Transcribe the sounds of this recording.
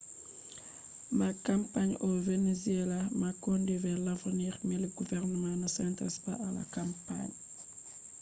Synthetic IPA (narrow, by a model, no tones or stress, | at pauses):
makampaɲovenezielamakondivɛlavniɾmiliɡuvɛɾnəmãnasɛnta̰sba̰ala̰kampa̰ɲ